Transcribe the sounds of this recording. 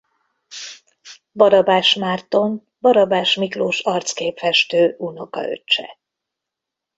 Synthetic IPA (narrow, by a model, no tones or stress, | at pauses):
bɒɾɒbaːʃmaːrt̪o̞n | bɒɾɒbaːʃmikloːʃɒrt̪skeːpfɛʃt̪øːʔuno̞kɒ̰ø̰t͡ʃt͡ʃːɛ̰